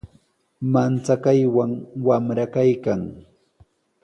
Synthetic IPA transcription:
mant͡sakajwaŋwamɾakajkaŋ

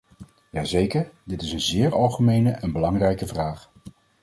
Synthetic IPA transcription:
jaːzejkəɹdɪtɪsənzɪːɹɑlˠχəmejnəʔənbəlɑŋrɛjkəvraːχ

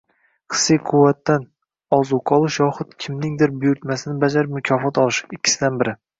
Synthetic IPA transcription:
qʰɨ̥sːijqʰʊwːat̪ːan | ɒzuqʰɒlˠɪʃjɒχʊt̪kʲʰɪmnɪŋd̪ɪɾbʊjʊɾt̪masɪnɪbad͡ʒaɾɪpmʊkʲʰɒfɒt̪ɒlˠɪʃɪkʲʰːɪ̥sɪd̪anbɪɾɪ

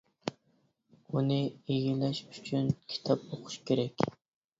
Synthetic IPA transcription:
unɨejilɛʃyt͡ʃʰynkʲʰi̥t̪ʰɑp̚oqʰʊ̥ʃkʲeɾɛkʲ

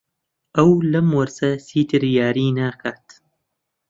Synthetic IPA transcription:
ʔɐwlɐmwɐɾsɐsiːt̪ʰɨɾjaːɾiːnaːkʰaːt̪

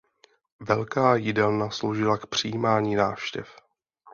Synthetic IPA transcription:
vɛlkaːjɪdɛlnaslowʒɪlakpr̝̥ijiːmaːɲiːnaːfʃcɛ̰f

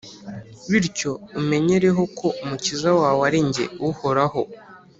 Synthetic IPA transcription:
βiɾco̞ume̞ɲe̞ɾe̞ɦo̞kʰo̞ʔumucizawaːwaɾiɲɟe̞̰uho̞ɾaho̞

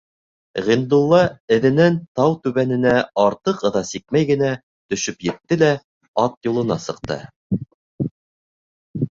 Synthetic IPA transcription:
ʁind̪ulˠːɑɘ̆ðɘ̆nænt̪ɑwt̪ʉβænɘ̆næɑɾt̪ɤqɤ̆ðɑsik̚mæjɡɘ̆næ | t̪ɵ̆ʃɵpjɘ̆t̪ːɘlæ | ɑt̪julˠɤ̆nɑsɤ̆q̚t̪ɤ̰

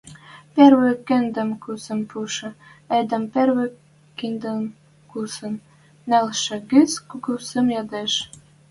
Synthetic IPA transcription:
perβekend̪ə̆mkusə̆mpuʃɤ̆ed̪ə̆mperβĕ | kind̪əm | kusɤ̆nː | ælʃɘ̆ɣit͡skuɡuwsĕmjɑd̪eʃ

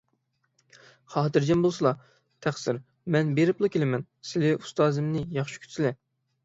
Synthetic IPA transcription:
χɑːt̪ɨɾd͡ʒɛmbolˠsɨlˠɑ | t̪ʰæχsɪɾ | mɛnbeɾɪplˠɨkʲʰelɪmɛn | sɪlɪu̥st̪ɑːzɨmnɪjɑχʃi̥kʲʰy̥t̪sɪlɪ

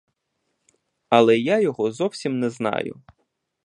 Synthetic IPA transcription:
ɐlˠɛjajɔɦɔzɔwsʲimnɛznɑ̰jʊ̰

